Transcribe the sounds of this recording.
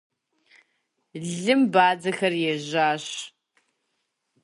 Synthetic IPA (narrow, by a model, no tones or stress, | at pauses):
ɮɨmbaːd͡zɐxɐrjɛʒaːɕ